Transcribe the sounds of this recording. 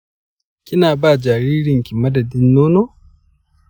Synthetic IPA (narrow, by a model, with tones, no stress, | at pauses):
ki˦na˨ba˦˨d͡ʒa˨ɾiː˦ɾi˦˨ŋki˨ma˦da˨di˦nːo˦no˦